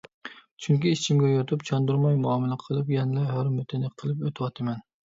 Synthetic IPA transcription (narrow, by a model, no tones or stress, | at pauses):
t͡ʃʰyŋkʲiit͡ʃʰimɡʲɛjot̪ʰupt͡ʃʰɑnd̪uɾmɑjmuɑmɨlˠɨqʰəlˠɨpjɛnlˠɑjɦøɾmøt̪ʰɪnɨqʰːəlˠɨpøt̪ʰɪwɑt̪ʰɨmɛn